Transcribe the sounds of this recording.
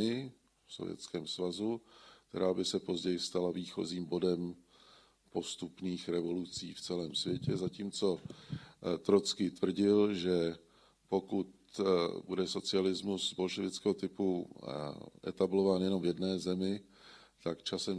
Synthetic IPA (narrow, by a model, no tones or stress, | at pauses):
ɪ | fso̞̰vjɛ̰t͡skɛːmsvazuk̚t̪ɛ̰ɾaːbɪsɛpo̞zɟɛjɪst̪alaviːxo̞̰ziːmbo̞dɛm | po̞st̪upniːxɾɛvo̞lut͡siːft͡sɛlɛːmsvjɛcɛzaciːmt͡so̞ | t̪ɾot͡skit̪vr̩ɟɪlʒɛ | po̞kut̪ | budɛso̞t͡sɪalɪzmusbo̞lʃɛvɪt͡skɛːɦo̞t̪ɪpu | ʔɛ̰t̪ablo̞vaːnjɛno̞mvjɛdnɛːzɛmɪ | t̪akt͡ʃasɛm